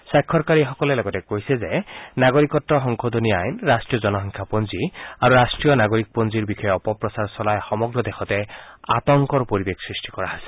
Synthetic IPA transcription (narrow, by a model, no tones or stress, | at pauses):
sakʰːɔɹkaɹixɔkɔlɛlɔɡɔtɛkojsɛzenaɡoɹikɔtːɔxɔŋkʰɔd̪ʱoniajnɹasʈɹijɔzɔnɔɦɔŋkʰapɔnziaɾuɾasʈɹijɔnaɡoɹik̚pɔnziɹbixɔjɔɔpɔpɹɔsaɹsɔlajxɔmɔɡɹɔd̪exʰɔtɛa̰t̪ɔŋkɔɹpoɹibeksɹisʈikɔɹaɦasɛ̥